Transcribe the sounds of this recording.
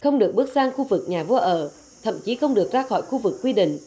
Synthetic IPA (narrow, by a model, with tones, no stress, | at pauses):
xə˧wŋ͡mɗɨ˨˩ək̚ɨ˦˥ək̚saː˧ŋxu˧vɨ˨˩k̚ɲaː˨˩vu˧əʔəː˧˩ | t̪ʰə̰˧˩mt͡ɕi˨˦xə˧wŋ͡mɗɨ˨˩ək̚zaː˧xɔ̰˧˩jxu˧vɨ˨˩kːwi˧ɗḭ˧˨ŋ̟